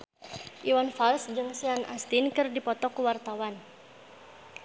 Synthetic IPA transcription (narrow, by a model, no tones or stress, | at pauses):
ʔiwanfalsd͡ʒɨŋsianʔast̪inkɨrdipɔt̪ɔkuwart̪awan